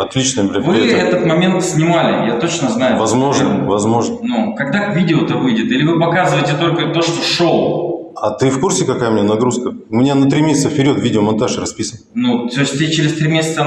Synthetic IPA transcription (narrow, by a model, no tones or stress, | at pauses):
ɐt̪lʲit͡ɕnəjəbɾʲvɨɛt̪ət̪mɐmʲe̞nt̪sʲnʲɪmalʲɪ̰jat̪o̞t͡ɕnəznajʊvɐzmo̞ʐnəvɐzmo̞ʐnənukɐɡd̪akvʲidʲɪʊt̪ɨvɨjdʲɪt̪ilʲɪvɨpɐkazɨvəjɪtʲɪt̪o̞lʲkət̪o̞ʂt̪oʂolˠɐt̪ɨfkursʲɪkɐkajəmɪnʲenɐɡɾuskəʊmʲɪnʲanɐt̪ɾʲimʲesʲɪt̪səfpʲɪɾʲo̞t̪vʲidʲɪomɐnt̪aʂrɐspʲisənənut̪osʲt̪ʲɪt͡ɕɪɾʲɪst̪ɾʲimʲesʲɪt̪sə